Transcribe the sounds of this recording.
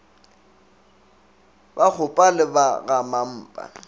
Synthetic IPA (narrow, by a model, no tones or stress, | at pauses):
bak͡xʰʊpʼalɪbaɣamam̩ːpʼa̰